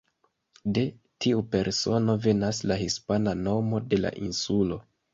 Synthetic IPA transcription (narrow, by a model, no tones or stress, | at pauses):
de̞ | tʰiupe̞ɾso̞no̞ve̞naslahispanano̞mo̞de̞la̰ʔinsulo̞̰